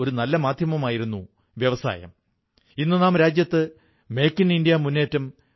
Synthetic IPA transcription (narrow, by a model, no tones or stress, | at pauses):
o̞ɾunɐlːɐmaːd̪ʱjɐmɐmaːjiɾunːu | ʋjɐʋɐsa̰ːjɐ̰m | inːɨnaːmɾaːd͡ʑjɐt̪ːɨ | me̞jkːinindijɐmunːe̞ːtːɐm